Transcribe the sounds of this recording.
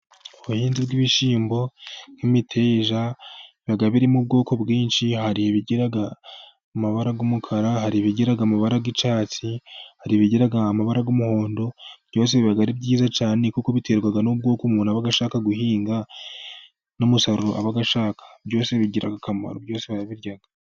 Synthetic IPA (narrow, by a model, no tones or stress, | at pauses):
oβuhiːnzibɡiβiʃiːmbo̞n̥imitʰeːʒaiβaɡaβiɾimub̚ɡo̞ːkʰo̞bɡiːnʃihaɾiβiɟiɾaɡa | maβaɾaɡomukʰaɾahaɾiβiɟiɾaɡamaβaɾaɡit͡ʃaːt͡sihaɾiβiɟiɾaɡaːmaβaɾaɡomuho̞ːndo̞bjo̞ːs̬e̞βiβaɡaɾibɟiːzat͡ʃaːne̞kuko̞βite̞ːɾɡwaɡanob̚ɡo̞ːkumuːnuaβaɡaʃaːkaɡuhiːŋɡa | nomusaɾuɾo̰ʔa̰βaɡaʃaːkḁbjo̞ːse̞βiɟiɾa̰ɡakama̰ɾobjo̞ːse̞βaɾaβiɾjaɡa